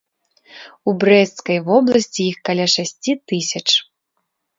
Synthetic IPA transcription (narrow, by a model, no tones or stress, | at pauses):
ubɾɛt̪skɐjvɔblˠɐsʲt͡sʲiixkɐlʲaʂasʲt͡sʲit̪ɨsʲɐt͡ʂ